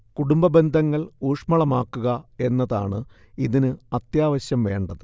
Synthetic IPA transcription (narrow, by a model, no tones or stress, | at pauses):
kuɽumbɐbe̞nd̪ʱɐŋːɐɭuːʂmɐɭɐmaːkːuɣɐe̞nːɐðaːɳɨ | iðinɨɐt̪jaːʋɐɕjɐmʋe̞ːɳɖɐðɨ